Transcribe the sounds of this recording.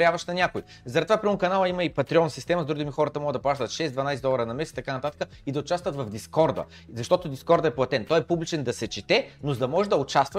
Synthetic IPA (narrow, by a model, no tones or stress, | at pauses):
ɾjavɐʃnɐnʲakʊi | zɐɾɛt̪ovapɾʲimmʊkɐnalˠəimɐipɐt̪ɾiɔnəsist̪ɛmɐzd̪ɾuɡd̪imixɔɾət̪ɐmɔɡəd̪ɐplˠaʃt̪ət̪ʃɛzd̪vɐnajsɛd̪ɔlˠɐɾənɐmɛst̪ɐkanɐt̪at̪ə̥kəid̪ɐoʊt͡ʃast̪vət̪vɐvd̪iskɔɾd̪ə̰ | zɐʃt̪ɔt̪ʊd̪iskɔɾd̪ɐɛplˠɐt̪ɛnt̪ɔjɛpublʲit͡ʃɛnd̪ɐsɛt͡ʃit̪ɛnozd̪ɐmɔʒɛd̪ɐʊt͡ʃast̪və